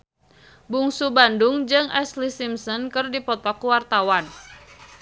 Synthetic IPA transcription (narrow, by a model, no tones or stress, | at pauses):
buŋsubanduŋd͡ʒɨŋʔɛslisimsɔnkɨrdipɔt̪ɔkwart̪awan